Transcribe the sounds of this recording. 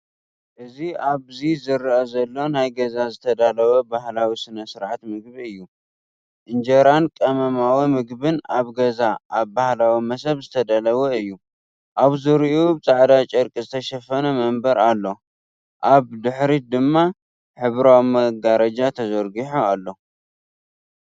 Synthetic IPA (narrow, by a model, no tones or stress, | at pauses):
ʔɨziaβzizɨɾʔɐzɐlːo̞najɡɐzazɨt̪ʰɐd̪alɐwɐbahlawisɨnɐsɨɾʕat̪mɨɡ̚biɨjːu | ʔɨnd͡ʒɐɾankʼɐmɐmawimɨɡbɨnaβɡɐzaʔaβbahlawimɐsɐβzɨt̪ʰɐd̪alɐwuɨjːu | ʔaβzɨɾiʔubɨt͡sʼaʕd̪at͡ʃʼɐɾkʼizɨt̪ʰɐʃɐfɐnɐmɐmbɐɾalːo̞ | ʔaβd̪ɨħɾid̪ɨmːa | ħɨβɾawmɐɡaɾɐd͡ʒat̪ʰɐzɐɾɡiħoalːo̞